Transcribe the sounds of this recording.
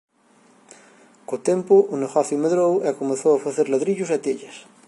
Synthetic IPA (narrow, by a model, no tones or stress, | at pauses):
kot̪empʊʔʊneɣɔθjʊmeðɾoweakomẽθowafaθeɾlaðɾiʎʊsat̪eʎɐs